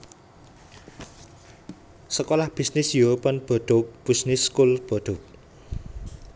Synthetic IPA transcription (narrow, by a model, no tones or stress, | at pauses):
səkolahb̥isnɪsjuɾopɔnb̥ɔ̤ɖ̥ok̚b̥isnɪskulb̥ɔɖ̪̥o̤k̚